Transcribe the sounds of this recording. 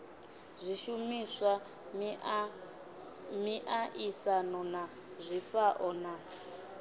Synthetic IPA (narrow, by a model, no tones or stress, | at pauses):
zʷiʃumisʷa | miʔaʔisanɔna | zʷiɸaʔɔna